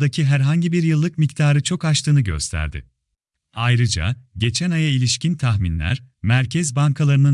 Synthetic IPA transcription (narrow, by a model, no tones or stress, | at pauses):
d̪acʰiɦæɾɦaɲɟibiɾjɯlˠːɯkmict̪ʰaːɾɯt͡ʃʰo̞kat͡ʃt̪ʰɯːnɯɟø̞̰st̪ʰæ̰ɾd̪ɪ̰ | ajɾɯd͡ʒa̰ɟe̞t͡ʃʰɛnajailʲiʃcint̪ʰaxminlʲæ̰ɾmæɾcʰɛzbaŋkʰalˠaɾɯnɯ